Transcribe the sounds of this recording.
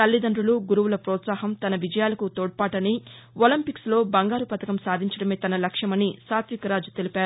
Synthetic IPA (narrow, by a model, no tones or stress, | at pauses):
t̪ɐlːid̪ɐnɾuluɡuɾuwulɐpɾɔːt̪saːɦɐmt̪ɐnɐʋid͡ʒɐjaːlɐkut̪oːɽ̚paːʈɐni | olɐmpikslo̞ːbɐŋɡaːɾupɐt̪ɐkɐmsaːd̪ʱiɲt͡ʃɐɽɐmeːt̪ɐnɐlɐkʂɐmɐnisaːt̪ʋikɐɾaːd͡ʒut̪elipaːɾ